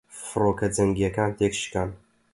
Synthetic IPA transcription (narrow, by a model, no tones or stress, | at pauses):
fɨɾoːkɐd͡zɐŋɡijɐkaːnt̪ʰeːkʃkan